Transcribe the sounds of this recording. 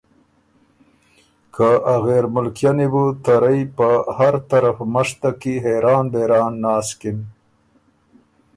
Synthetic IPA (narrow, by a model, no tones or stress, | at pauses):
kʰaʔaɣeɾmʊlkjanibut̪aɾajpəhaɾt̪aɾafmaʂt̪akiɦeɾɑːnd̪eɾɑːnːɑːskɪm